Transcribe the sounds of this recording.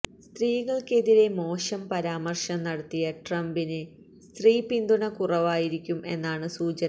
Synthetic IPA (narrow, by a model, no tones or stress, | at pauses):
st̪riːɣɐɭke̞ðiɾe̞mo̞ːʂɐmpɐɾaːmɐrʂɐmnɐɽɐt̪ːijɐʈrɐmbinɨ | st̪riːpind̪uɳɐkurɐʋaːjiɾikʲːumʔe̞̰nːaːɳɨsuːt͡ɕɐn